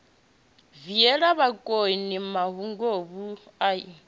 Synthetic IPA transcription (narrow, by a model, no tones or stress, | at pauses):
viɛɺaβakʼonimaɦuŋɡoβu | ai